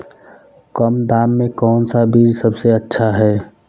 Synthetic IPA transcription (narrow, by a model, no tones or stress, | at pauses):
kəmd̪aːmːẽkɔːnsabiːd͡ʒsəbseətːʃʰaɦɛː